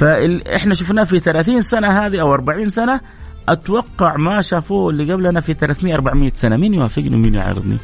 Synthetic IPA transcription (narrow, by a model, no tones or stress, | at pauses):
faɪʔɪ̰ħnaʃ̬ʊfnaːfiθalaːθiːnsanaɦaːd̪iʔawʔɑɾˤbaʕiːnsana | ʔat̪wɑqːɑʕmaʃaːfuːɪlːiɡablʔanafiθalaːθmɪjaʔɑɾˤbaʕmɪjːasanamiːnjʊwaːfːɪɡnḭwminja̰ʕɑ̰ɾɨ̰d̪ˤnḭ